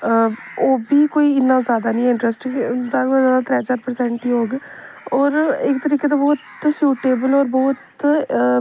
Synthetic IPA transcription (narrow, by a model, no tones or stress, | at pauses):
oːbiːkoːiːɪnːãːzjaːd̪aːnĩːɪɳʈɾɛsʈzaːɾazjaːd̪aːt̪ɾɛːd͡ʒaːɾpəɾsɛ̃ːɳʈiːoːɡɔːɾɪkt̪əɾiːkeːt̪ãːbɔːt̪ʃuːʈeːbəlɔːɾbɔːt̪